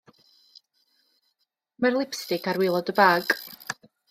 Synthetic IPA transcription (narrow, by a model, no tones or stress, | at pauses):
marlˠɪpstɪkʰaɾwɪlˠɔdəbaːɡ